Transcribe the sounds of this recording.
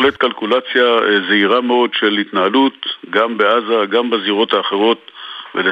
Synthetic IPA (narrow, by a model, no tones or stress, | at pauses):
let̪kalkulat͡sjazeiʁameo̞dʃe̞lit̪naɦalut̪ɡambeazaɡambaziʁo̞thaːχe̞ʁo̞t̪vele